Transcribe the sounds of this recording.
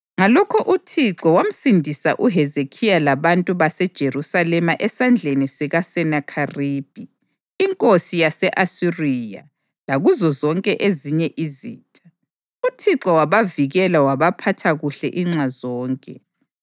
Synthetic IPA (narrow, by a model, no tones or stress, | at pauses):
ŋalɔkʰɔʔutʰiǁɔwam̩sindʱisa̰ʔuɦɛzekʰijalaβantʼuβasɛd̥ʒ̥ʱerusalɛmaʔɛsand͡ɮʱenisɛɣasɛnakʰariːb̥ʱiː | ŋkʼosijasɛʔasiriːja̰ | laɣuzɔzɔŋkʼɛʔeziɲɛʔizḭːtʼḁ | utʰiǁɔwaβaviɣɛlawaβapʰatʰaɣuɬɛʔiŋ͡ǁazɔːŋkʼɛ